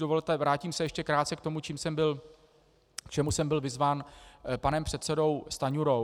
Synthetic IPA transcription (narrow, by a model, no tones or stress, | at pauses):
dovolt̪ɛvɾaːciːmsɛjɛʃcɛkɾaːt̪t͡sɛkt̪o̞mut͡ʃiːmsɛmbɪl | kt͡ʃɛmusɛmbɪlvɪzvaːnpanɛmpr̝̥ɛt̪sɛdo̞wst̪aɲuɾo